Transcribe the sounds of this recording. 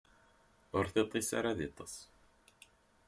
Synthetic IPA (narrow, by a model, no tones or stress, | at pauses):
ʊɾθet̪ˤːisa̰ɾaðit̪ˤɑ̥s